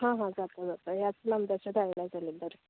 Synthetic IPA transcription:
ɦãɦãd͡zat̪əd͡zat̪ojat͡snəmd̪aɕud̪ʱajlad͡zalid̪əɾ

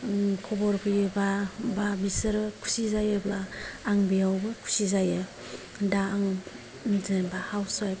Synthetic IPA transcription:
kʰɔbɔɾkʰɯjɯbababisɯɾɯkʰu̥sizajɯblaːŋbijawbɯkʰu̥sizajɯ | daːŋ | zenbahawsaj

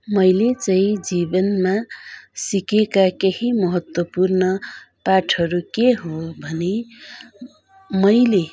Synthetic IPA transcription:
mʌjlet͡sʌĩd͡zibʌnmasikekakehimʌɦʌt̪wʌpurnʌ | paʈʰʌɾukeɦobʱʌne | mʌjle

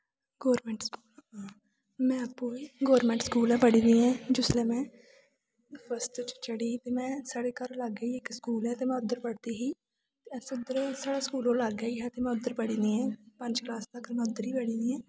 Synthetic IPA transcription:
ɡoːɾmɛ̃ːɳʈskuːl | mɛ̃ːəpːũːiːɡoːɾmɛ̃ːɳʈskuːlɛ̃ːpəɽĩːnd̪iːɛ̃ːd͡ʒʊslɛːmɛ̃ː | pəst̪t͡ʃt͡ʃəɽiːt̪eːmɛ̃ːsaːɽeːkəɾləɡəiːɪkskuːlɛːt̪eːmɛ̃ːʊd̪əɾpəɽt̪iːɦiː | t̪esʊd̪əɾsaːɽaːskuːlõːləɡːəiːɦɛːt̪eːmɛ̃ːʊd̪əɾpəɽiːnd̪iːɛ̃ːpəɲd͡ʒklaːst̪əkɾmɛ̃ːʊd̪əɾiːbəɽĩːniːɦɛ̃ː

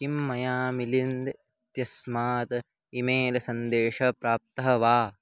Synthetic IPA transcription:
kimːɐjaːmilind̪e | t̪jɐsmaːt̪ɐ | imeːlɐsɐnd̪eːʂɐpɾaːp̚t̪ɐɦɐʋaː

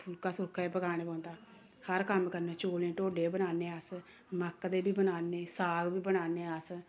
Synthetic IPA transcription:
pʰʊlkaːsʊɾkʰaːeːpəɡaːɽ̃ẽːpɔ̃ːnd̪aː | həɾkəmkəɾneːt͡ʃoːlẽːʈoːɖeːbənaːneːəs | məkd̪eːbiːbənaːneːsaːɡbiːbənaːneːəs

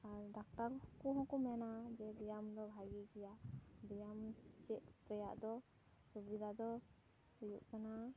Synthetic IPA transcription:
aɾɖak̚ʈaɾhɔkuɦɔ̃kumɛnad͡ʒɛd̪ɛjamd̪ɔbʱaɡiɡɛjad̪ɛjamt͡ʃɛʔɾɛja̰ʔd̪ɔ | subid̪ʱad̪ɔ | hujṵʔkana

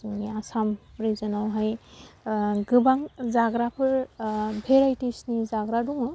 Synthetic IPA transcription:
zɯŋniasamɾizɯnawɦaj | ɡɯbaŋzaɡɾapʰɯɾbʱeɾajtisnizaɡɾaduŋɯ

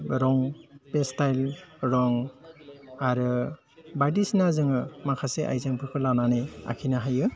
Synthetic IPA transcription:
ɾɔŋpestajlɾɔŋ | aɾɯ | badisnazɯŋɯmakʰaseʔa̰jzaŋpʰɯkʰɯlananea̰kʰinaɦajɯ

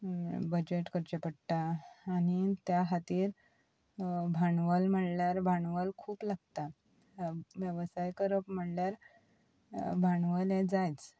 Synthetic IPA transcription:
bəd͡ʑeʈkəɾt͡ɕepəɽt̪aːñit̪jaɦat̪iːɾ | bʱaɳʋəlm̤əɽljaɾbʱaɳʋəlkʰuːplaɡt̪a | ʋjəʋsajkəɾəpm̤əɽljaɾ | bʱaɳʋəlẽd͡zajt͡s

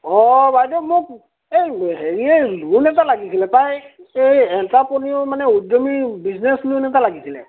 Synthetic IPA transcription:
ɔbajdɔmʊk̚ | ejɦeɹielunɛtalaɡisilɛtajejɛntapɔniʊmanɛudomibizneslunɛtalaɡisilɛ̰

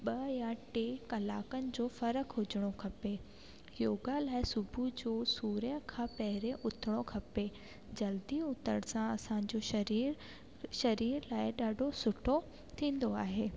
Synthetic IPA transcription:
ɓɐjãʈeːkɐlaːkənɪ̆d͡ʑoːfɐɾəkʰɦʊd͡ʑəɽ̃okʰɐpe | joːɡalaːɪsʊbʱud͡ʑoːsuːɾjə̃kʰãːpɐɦɪɾẽʔʊt̪ʰɪɽ̃okʰɐpe | d͡ʑɐld̪iʊt̪ə̰ɽsãɐsã̆d͡ʑoʃɾiːɾ | ʃɐɾiːɾlaːɪɗaːɖʱosʊʈʰo | t̪ʰĩːn̆d̪oaːɦeː

